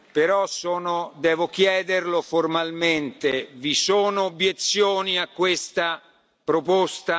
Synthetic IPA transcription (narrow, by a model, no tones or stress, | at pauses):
peɾɔsɔːnod̪ɛːvok̟jɛːd̪erloformalment̪evisoːnoːbjet̪sːjoːniakːwest̪a | pɾopost̪a